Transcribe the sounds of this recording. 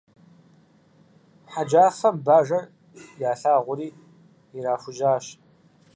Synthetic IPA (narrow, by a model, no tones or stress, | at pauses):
ħad͡ʒaːfɐmbaːʒɐr | jaːɬaːʁʷʊɾiː | ɪɾaːxʷʊʒaːɕ